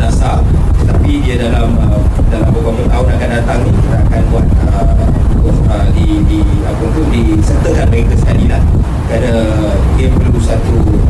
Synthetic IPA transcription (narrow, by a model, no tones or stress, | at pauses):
nasat̪ət̪apidiadalamədalampəkamənaut̪akandat̪aŋnikit̪aakanbuat̪̚əakʊfədi | diapəpʊndisət̪əkanbaiŋkəsə̥kalilah | kɾada | diəpərlusat̪u